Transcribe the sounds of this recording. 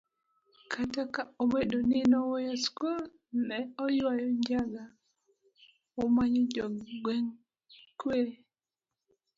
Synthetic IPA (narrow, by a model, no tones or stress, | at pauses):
kʰatakaomedoninɔwɔjaskul | nɛɔjwajɔɲd͡ʒaɡa | omaɲɔd͡ʒɔɡɡwɛŋ | kweɾe